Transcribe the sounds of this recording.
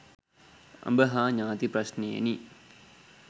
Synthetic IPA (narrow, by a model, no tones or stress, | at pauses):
ɐ̰mbəɦaːɲaːt̪iprɐɕneḛni